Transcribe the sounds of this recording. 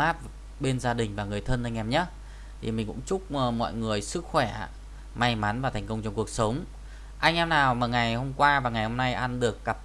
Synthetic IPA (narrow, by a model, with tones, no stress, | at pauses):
aː˦˥t̚ | ɓe˧nzaː˧ɗï˨˩ŋ̟vaː˨˩ŋɨ˨˩əjt̪ʰə˧nʔa˧ŋ̟ʔɛ˧˩mɲə˦˥t̚ | t̪ʰi˨˩mï˨˩ŋ̟kʊ̰˧˥ŋ͡mt͡ɕʊ˦˥k͡p̚mɔ̰˧˨jŋɨ˨˩əjsɨ˦˥k̚xwɛ̰˧˩˧ | ma˧jma˨˦nvaː˨˩t̪ʰɛ˨˩ŋ̟kə˧wŋ͡mt͡ɕɔ˧ŋ͡mku˨˩ək̚sə˨˦wŋ͡m | ʔa˧jŋ̟ʔɛ˧mnaː˨˩wmaː˨˩ŋa˨˩jho˧mkwaː˧vaː˨˩ŋa˨˩jho˧mna˧jʔa˧nɗɨ˨˩əkːa˨˩p̚